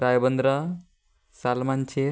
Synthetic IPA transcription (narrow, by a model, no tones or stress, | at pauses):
ɾajbʌnd̪ɾa | salmant͡ʃʰe